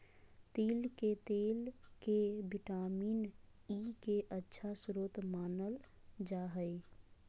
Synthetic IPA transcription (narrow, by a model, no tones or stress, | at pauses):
t̪elket̪elkebiʈamiːn | ikeʔətːʃʰasɾot̪maːnəl | d͡ʒaɦəɪ